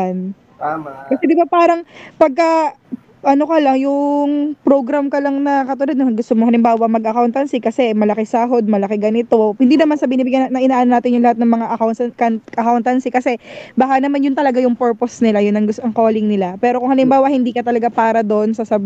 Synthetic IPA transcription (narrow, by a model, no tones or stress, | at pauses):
n | akɐsɛd̪ɪbapaːɾɐŋpɐɡ̚kɐ | ʔɐno̞kɐlaŋjʊŋpɾoɡɾɐmkɐlɐŋnɐkɐt̪ʊlad̪̚nɐɡʊst̪omoŋhɐlɪmbaːwɐmɐɡʔɐkawnt̪ɐnsikɐsɛmɐlɐkɪsaːɦo̞d̪̚mɐlɐkɛɡɐnɪt̪o̞hɪnd̪iːnɐmansɐbɪniːbɪɡjɐnnɐʔɪnaʔaːnonaːt̪ɪnjʊŋlɐhat̪nɐŋmɐŋaʔɐkawnkɐnkɐkawnt̪ɐnsikɐsɛbɐhanɐmanjʊnt̪ɐlɐɡajʊŋpɛɹposnɪlajʊnɐŋɡʊst̪oŋko̞ːlɪŋnɪlapɛːɾokʊŋhɐlɪmbaːwɐhɪnd̪iːkɐt̪ɐlɐɡapaːɾɐd̪oʔnsɐsɐb